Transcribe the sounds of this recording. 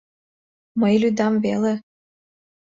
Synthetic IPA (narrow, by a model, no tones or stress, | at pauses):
məjlyd̪ɑmvele